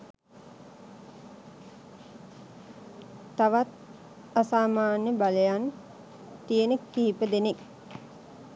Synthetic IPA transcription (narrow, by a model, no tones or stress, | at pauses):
t̪aʋat̪̚ | asaːmaːnjəbaləjan | t̪ijənəkːiɦipəd̪enek